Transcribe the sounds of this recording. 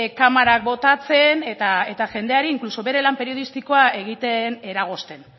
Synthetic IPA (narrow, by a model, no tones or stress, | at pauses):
kamaɾak̚bo̞t̪at͡se̞net̪ae̞t̪aʝe̞nd̪e̞aɾiːŋkluso̞βe̞ɾe̞lampe̞ɾio̞ð̞ist̪iko̞ae̞ɣ̞it̪e̞ne̞ɾaɣ̞o̞st̪e̞n